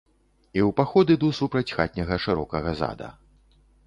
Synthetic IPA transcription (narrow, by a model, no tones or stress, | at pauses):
iwpaxɔd̪ɨd̪usupɾɐt͡sʲxa̰t̪̚ʲnʲɐɣɐʂɨɾɔkɐɣɐza̰d̪ɐ̰